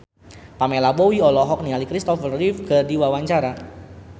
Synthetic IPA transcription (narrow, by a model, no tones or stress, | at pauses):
pamelabowiɔlɔɦɔk̚nialikɾist̪ɔfərrifɡərdiwawaɲt͡ʃaɾa